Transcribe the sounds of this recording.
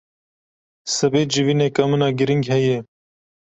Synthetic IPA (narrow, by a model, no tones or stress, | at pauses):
sɐbeːd͡ʒɪviːneːkamɨnɑːɡɪɾɪŋɡɦɛje